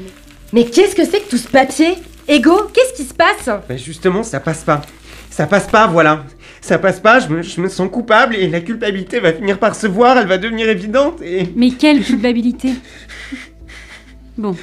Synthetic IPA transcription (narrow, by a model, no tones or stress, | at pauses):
mɛkɛskəsɛkə̥t̪usə̥papje | eɡokʲɛsə̥kʲisə̥pasbɛʒyst̪əmɑ̃sapaspa | sapaspavwala | sapaspaʒəməʒəməsɑ̃kupablelakʲylpabilit̪evafiniʁpaʁsəvwaʁɛlvad̪əvəniʁevid̪ɑ̃t̪emɛkʲɛlkʲylpabilit̪e | bɔ̃